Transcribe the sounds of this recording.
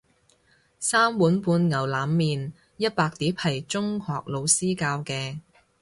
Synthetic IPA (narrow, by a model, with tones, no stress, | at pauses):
saː˥mwuː˨˥npuː˧nŋɐ˨˩wlaː˨˥mːiː˨n | jɐ˥t̚paː˧k̚t̪iː˨˥phɐ˨˩jt͡ʃʊ˥ŋhɔː˨k̚lo˨˧wsiː˥kaː˧wkɛː˧